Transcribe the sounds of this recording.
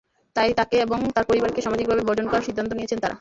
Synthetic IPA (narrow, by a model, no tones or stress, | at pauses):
t̪ajt̪akeeboŋt̪aɾpoɾibaɾkeʃamad͡ʑik̚bʱabebʱɔd͡ʑonkɔɾaɾʃid̪ʱːant̪onijet͡ɕʰent̪aɾʔa̰